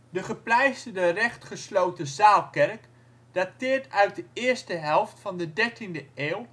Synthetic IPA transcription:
dəχəplɛjsədərɛχtχəslowtəzaːlˠkɛrk | d̥atɪːɹtœɥt̚dəɪːɹstəɦɛlˠftfɑndədɛɹtindəʔeːwˠ

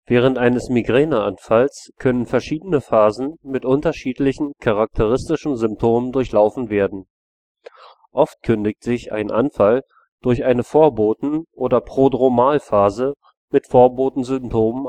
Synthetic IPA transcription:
vɛːʁ̞əntʔaɪnəsmiɡʁɛːnaʔanfalskʰœnənfɛɐʃiːdənəfaːzn̩mɪtʔʊntɐʃiːtlɪçn̩kʰaʁak̚tʰəʁ̞ɪstɪʃn̩zʏmptʰoːməndʊɐçlaʊfn̩veːɐdn̩ | ʔɔft̚kʰʏndɪktz̥ɪçʔa̰ɪnʔa̰nfal | d̥ʊɐçʔaɪnəfoːɐboːtn̩ʔoːdɐpʁ̥oːdʁomaːlfaːzə | mɪtfoːɐboːtn̩zʏmp̚tʰoːmən

